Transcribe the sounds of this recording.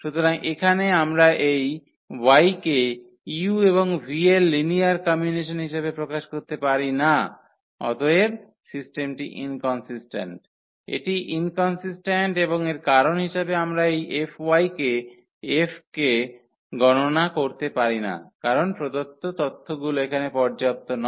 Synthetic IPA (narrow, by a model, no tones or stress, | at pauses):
ʃut̪oɾaŋʔekʰaneamɾaʔej | wajke | iueβoŋvʱielːiniaɾkɔmiuniʃonɦiʃebepɾokaʃkoɾt̪epaɾina | ɔ̰t̪oeb | sisʈemʈḭʔḭnkɔnsisʈḛɳʈ | ḛʈiʔinkɔnsisʈeɳʈeboŋeɾkaɾonɦiʃabeamɾaejʔefʰwajke | efʰke | ɡɔnonakoɾt̪epaɾina̰kaɾonpɾod̪ot̪ːot̪ot̪ʰːoɡuloekʰanepɔɾd͡ʑap̚t̪onɔ